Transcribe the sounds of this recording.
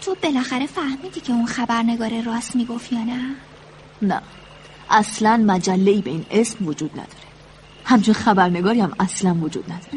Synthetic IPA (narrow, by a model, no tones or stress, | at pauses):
t̪ʰo̞be̞læxæɾe̞fæhmiːd̪iːcʰe̞unxæbæɾne̞ɡɒːɾerɒːsmiːɡo̞fjɒːnæ | næ̰ | ʔæslænmæd͡ʒælːeiːbe̞iːne̞smvod͡ʒuːd̪̥̚næ̰d̪̥ɒ̥ːɾe̥ | hæmt͡ʃʰinxæbæɾne̞ɡɒːɾiæmæslænvod͡ʒṵːd̪̥næd̪ɒːɾe